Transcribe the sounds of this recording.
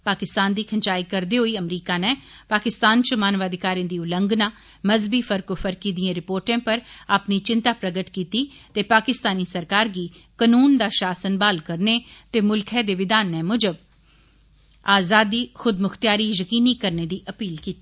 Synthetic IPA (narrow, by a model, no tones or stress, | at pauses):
paːkɪst̪aːnd̪iːkʰənt͡ʃaːiːkəɾd̪eːɦoiːəmɾiːkaːnɛːpaːkɪst̪aːnt͡ʃəmaːnʋaːd̪ɪkaːɾẽːd̪iːʊlə̃ŋɡnaː | məzbiːfʰəɾkofʰəɾkiːd̪iẽːɾɪpoːɾʈẽːpəɾaːpniːt͡ʃɪnt̪aːpɾəɡəʈkiːt̪iːt̪eːpaːkɪst̪aːniːsəɾkaːɾɡiː | kənuːnd̪aːʃaːsənbaːlkəɾneːt̪eːmʊlkʰɛːd̪eːʋɪd̪aːnːɛːmʊd͡ʒəb | aːzaːd̪iːxʊd̪mʊxt̪jaːɾiːjəkiːniːkəɾneːd̪iːʔəpiːlkiːt̪iː